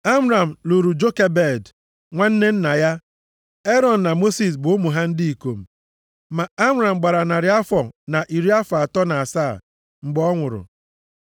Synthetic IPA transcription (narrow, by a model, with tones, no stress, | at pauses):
a˦m˦ɾa˨m̩˨lu˨ɾu˨d͡ʒo˦ke˦be˦˨d | ŋʷa˦n̩˦ne˦n̩˦na˨ja˦ | e˦ɾɔ˨n̩˨na˨mo˦si˨s̬bʊ˨˦mu˨ɦa˦n̩˦di˦i˨ko˨m̩˨ | ma˨a˦m˦ɾa˨m̩˨ɡ͡ba˨ɾa˨na˨ɾɪ˨˦a˦fɔ˨na˨ʔi˨ɾi˦a˦fa˨a˨tɔ˦na˨a˨saː˦˨ | ŋ͡m̩˨ɡ͡bɔ˦ŋʷʊ˨ɾʊ̰˨